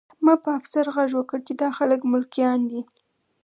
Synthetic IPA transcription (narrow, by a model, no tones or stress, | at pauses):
mɑpəafsaɾɣaʒwəkəɽt͡ʃed̪ɑxaləkmʊlkjɑnd̪i